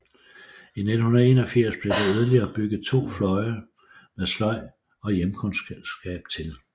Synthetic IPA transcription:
ined̥n̩hunɐe̝ːnɒ̽fiɐ̰sb̥led̥eyðˠɐliɐːb̥yɡ̥ð̩ˠt͡sʰo̝̰ːflɒ̽ɪɐ | meðˠslɒ̽ɪ̰ | ɒ̽jemkʰɔ̽nɡ̥ɛ̰ːb̥t͡sʰe̝l

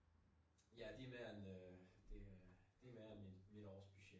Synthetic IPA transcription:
jæd̥e̝meɐnød̥e̝d̥e̝memid̥mid̥ɒːsb̥yɕe̥

